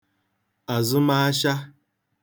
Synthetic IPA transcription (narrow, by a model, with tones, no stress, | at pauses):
a˨zʊ˦ma˦a˦ʃa˦